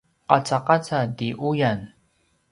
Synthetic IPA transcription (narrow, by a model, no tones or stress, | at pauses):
qɑt͡saqat͡sadiʔujan